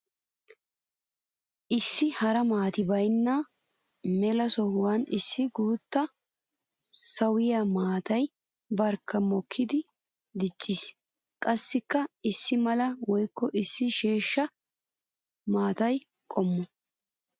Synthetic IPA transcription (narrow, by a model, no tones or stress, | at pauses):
ʔɪsːɪhɐɾɐmaːt̪ɪbɐjnːaː | mɛlɐsɔhʊwɐnɪsːɪɡuːt̪ːɐ | sɐwɪjamaːt̪ɐj | bɐɾkːɐmɔkʰːɪd̪ɪ | d̪ɪt͡ʃʼːis | kʼɐsːɪkːɐɪsːɪmɐlɐwɔjkːɔʔɪsːɪʃeːʃːɐ | maːt̪ɐj | kʼɔmːɔ